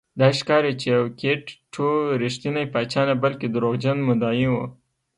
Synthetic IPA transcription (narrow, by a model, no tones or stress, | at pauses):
d̪ɑiʃkɑɾit͡ʃejawkeʈːʰoɾiʃt̪inajpɑt͡ʃɑnabəlked̪əɾoɣd͡ʒanmʊd̪ɑjiwu